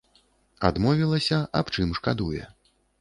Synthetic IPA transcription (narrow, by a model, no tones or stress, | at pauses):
ad̪mɔvʲilˠɐsʲɐʔapt͡ʂɨmʂkad̪ujɛ̰